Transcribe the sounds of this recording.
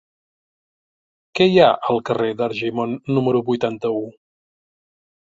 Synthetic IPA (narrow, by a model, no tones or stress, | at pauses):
kɛjaʔəlˠkəreðəɾʒimonːuməɾuβujt̪ant̪əu